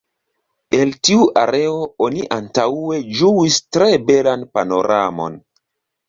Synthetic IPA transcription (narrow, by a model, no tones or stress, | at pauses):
e̞ltiuʔaɾeo̞oniʔantae̞d͡ʒuistɾebelanpano̞ɾʔamo̞̰n